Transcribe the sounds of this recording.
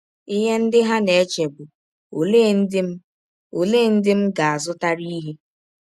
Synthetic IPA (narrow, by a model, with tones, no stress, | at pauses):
i˦ɦe˦n̩˦dɪ˦ɦa˦ne˨e˦t͡ʃe˨bʊ˨ | o˨le˦˨n̩˦dɪ˦m̩˦ | o˨leː˦n̩˦dɪ˦m̩˦ɡa˨a˨zʊ˦ta˦ɾi˦ɦe˦